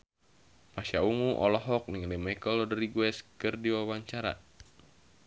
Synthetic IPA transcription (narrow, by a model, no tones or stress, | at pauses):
pasauŋuʔɔlɔɦɔk̚niŋlimakɔlɔdəɾiɡuɛskɨrdiwawaɲt͡ʃaɾa̰